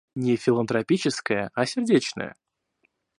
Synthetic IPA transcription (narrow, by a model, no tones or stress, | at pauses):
nʲɪfʲɪlˠənt̪ɾɐpʲit͡ɕɪskəjəasʲɪrdʲet͡ɕnə̰jə̰